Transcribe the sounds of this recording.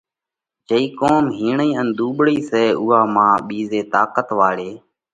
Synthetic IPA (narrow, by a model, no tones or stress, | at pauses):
d͡ʒəiːkoːmɦiːɳiːənd̪uːɓɽiːsɛːʊːaːmãːɓiːzeːt̪aːkət̪ʋaːɽeː